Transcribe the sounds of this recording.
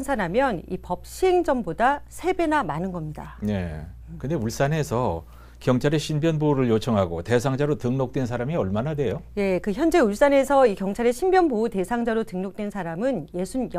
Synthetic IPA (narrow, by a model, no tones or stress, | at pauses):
nsʰaɾamjʌnḭpʌp̚ɕʰiɦeŋd͡ʑʌmbodasʰe̞be̞namanɯnɡʌmɲida̰ne̞ | kɯnde̞uɭs͈ane̞sʰʌ | kjʌŋt͡ɕʰaɾe̞ɕʰinbjʌnboɾɯɭjot͡ɕʰʌŋɦaɡote̞sʰaŋd͡ʑaɾotɯŋnok̚t͈wensʰaɾamiʌɭmanadwe̞joje̞kɯçjʌnd͡ʑe̞uɭs͈anɦe̞sʰʌikjʌŋt͡ɕʰaɾe̞ɕʰimbjʌnboute̞sʰaŋd͡ʑaɾotɯŋnok̚t͈we̞nsʰaɾamɯnje̞sʰunj